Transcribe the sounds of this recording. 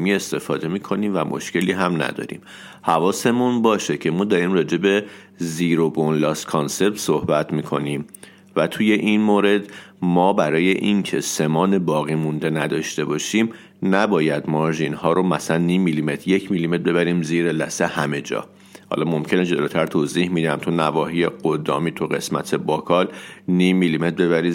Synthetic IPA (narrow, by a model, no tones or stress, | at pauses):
miːe̞st̪e̞fɒ̰ːd̪e̞miːkʰo̞niːmvæmʔo̰ʃce̞liːɦæmnæ̰d̪ɒ̰ːɾḭːm | hævɒːse̞munbɒːʃecʰe̞mɒːd̪ɒɾiːmrɒːd͡ʒe̞be̞ | ziːɾobonlɒːst̪kʰonse̞p̚t̪sohbæt̪ʰmiːkʰo̞̰niːm | væt̪ʰuje̞ʔinmoːɾe̞d̪mɒːbæɾɒːje̞ʔincʰe̞se̞mɒːne̞bɒːɣiːmund̪e̞næd̪ɒːʃt̪e̞bɒːʃim | næbɒːjæd̪mɒɾʒinhɒːɾomæslænːiːmːilime̞t̪ʰɾjecʰmilimebe̞βæɾiːmziːɾelæ̰sehæme̞d͡ʒɒ̰ː | hɒ̰lɒːmo̞mcʰe̞ned͡ʒo̞loːt̪ʰæɾt̪ʰozihmid̪æmt̪ʰunævɒːɦiːjeɡod̪ɒ̰ːmiːt̪ʰuɣe̞̰smæ̰t̪ʰe̞bɒkʰɒːlniːmːilime̞t̪̚be̞βæɾi